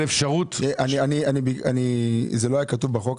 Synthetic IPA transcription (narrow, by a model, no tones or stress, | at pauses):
lefʃaʁutʔanianianibianizelo̞ajakatuvbaχo̞k